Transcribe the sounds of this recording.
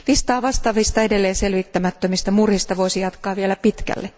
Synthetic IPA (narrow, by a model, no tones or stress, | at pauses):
ʋist̪ɑːʋɑst̪ɑʋist̪ɑedelːeːnselʋit̪ːæmæt̪ːømist̪æmurhist̪ɑʋoisijɑt̪kɑːʋielæpit̪kæ̰lːe